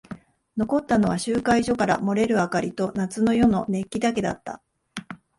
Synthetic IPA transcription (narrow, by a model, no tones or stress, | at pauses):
no̞ko̞t̪ːano̞βaɕɨːkaiʑo̞kaɾa̰mo̞ɾe̞ɾɯ̟akaɾʲit̪o̞nat͡sɨno̞jo̞no̞ne̞kʲːid̪ake̞d̪a̰t̪ːa̰